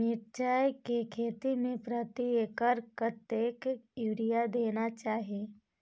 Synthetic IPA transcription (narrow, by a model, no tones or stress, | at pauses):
mɪʈ̚t͡ʃaːjkekʰeːt̪imẽpɾət̪iekəɾkɾət̪jeːkɪiʋɾijad̪eːnat͡ʃaːɦieː